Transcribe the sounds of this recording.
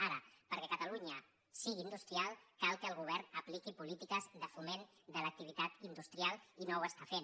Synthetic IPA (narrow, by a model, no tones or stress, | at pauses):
aɾəpəɾkɛkət̪əluɲə | siɣiːnd̪ust̪ɾialˠkalˠkəːlˠɣ̞uβ̞ɛɾnəplikipulit̪ikəzðəfumen | d̪ələk̚t̪iβ̞it̪at̪ind̪ust̪ɾialˠinowəst̪afen